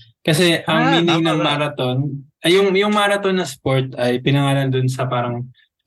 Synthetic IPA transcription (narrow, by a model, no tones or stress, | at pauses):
kɐsɛʔɐŋːiːnɪŋnɐŋmaɾɐt̪o̞n | ɐjʊŋjʊŋmaːɾɐt̪o̞nːɐspo̞ɹt̪ɐjpɪnɐŋaːlɐnd̪ʊnsɐpaːɾɐŋ